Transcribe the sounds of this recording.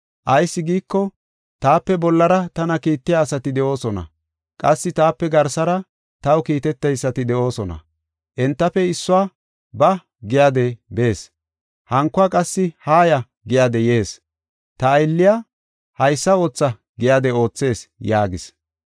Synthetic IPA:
ʔɐjsːɪɡiːkːɔ | t̪aːpːɛbɔlːɐɾɐt̪ɐnɐkiːt̪ːɪjaːsɐt̪ɪd̪ɛʔo̞ːsɔnɐ̰ | kʼɐsːɪt̪aːpːɛɡɐɾsɐɾɐ | t̪ɐwkiːt̪ɛt̪ːɛjsːɐt̪ɪd̪ɛʔo̞ːsɔnɐ̰ | ʔɛnt̪ːɐfɛɪsːʊaː | bɐ | ɡɪjaːd̪ɛbe̞ːs | hɐŋkːʊakʼɐsːɪhaːjɐ | ɡɪjad̪ɛje̞ːs | t̪ɐːjlːɪja | hɐjsːɐo̞ːt͡sːɐ | ɡɪjaːd̪ɛo̞ːt͡sːe̞ːsjaːɡɪs

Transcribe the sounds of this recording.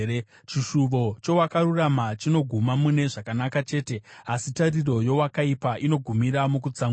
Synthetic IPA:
t͡ʃiʃuʋo̞t͡ʃo̞wakaruramat͡ʃino̞ɡʱumamune̞ʐakanakat͡ʃe̞ːte̞asitariro̞jo̞wakaipaʔino̞ɡʱumiɾamukut͡saŋ

